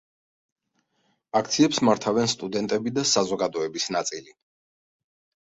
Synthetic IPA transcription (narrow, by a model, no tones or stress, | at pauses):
ak̚ʰt̪sʰiɛpsmaɾt̪ʰavɛnst̪ʼud̪ɛnt̪ʼɛbid̪asazɔɡad̪ɔɛbisnat̪sʼili